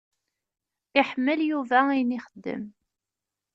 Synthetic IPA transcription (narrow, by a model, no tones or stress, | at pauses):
ɪħmːəljuvæinɪχəd̪ːə̰m